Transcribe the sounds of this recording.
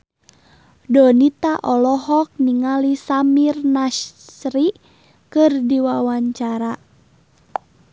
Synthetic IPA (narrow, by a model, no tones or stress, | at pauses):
dɔnit̪aʔɔlɔɦɔk̚niŋalisamirnaʃɾi | kɨrdiwawaɲt͡ʃaɾa